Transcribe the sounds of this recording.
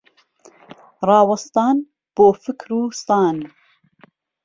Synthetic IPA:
rɑːwɐst̪ɑːn | b̥oːfɨkɾuːst̪ɑːn

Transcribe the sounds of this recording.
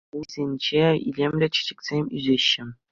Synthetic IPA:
uzʲenʲd͡ʑeḭlʲemʲlʲet͡ɕɘ̥̆d͡ʑɘ̆kʲsʲemʲy̰zʲeɕːɘ̆

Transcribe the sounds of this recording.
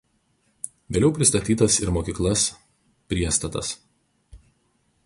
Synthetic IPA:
ʋʲeːlʲɛʊpʲɾʲɪst̪ɐt̪ʲiːt̪ɐsɪɾmoːkʲiːklˠɐs | pʲɾʲiɛst̪ɐt̪ɐ̰s

